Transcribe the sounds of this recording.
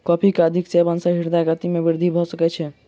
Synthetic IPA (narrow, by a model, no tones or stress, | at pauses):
kɔpʰikeəd̪ʱiksebənsəɦiɾd̪aɡat̪imebiɾd̪ʱibʱɔsəkɛt͡ʃʰɛ